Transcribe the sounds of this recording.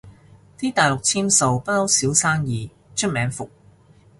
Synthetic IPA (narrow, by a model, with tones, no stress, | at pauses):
t̪ʰiː˥t̪aː˨jlʊ˨k̚t͡sʰiː˥mso˨wpɐ˥t̚hɐ˥wsiː˨˥wsaː˥ŋjiː˨ | t͡ʃʰɵ˥t̚mɛː˨˥ŋfʊ˨k̚